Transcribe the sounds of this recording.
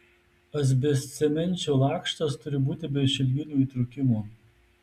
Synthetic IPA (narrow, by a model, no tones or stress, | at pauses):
ɐz̬ʲbʲɛsʲt̪sʲɛmʲɛnʲt͡ʃʲoːlˠɑːˑkʃt̪ɐst̪ʊɾʲɪbuːt̪ʲɪbʲɛʃʲɪlʲɡʲɪnʲuːiːt̪ɾʊkʲɪmuː